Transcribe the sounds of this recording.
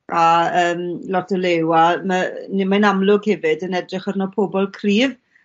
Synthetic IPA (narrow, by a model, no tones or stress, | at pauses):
aəːmlɔtʰəlewamənɪmanamlˠʊɡhɛvɨdənɛdrɪχərnɔpʰobɔlˠkʰriːv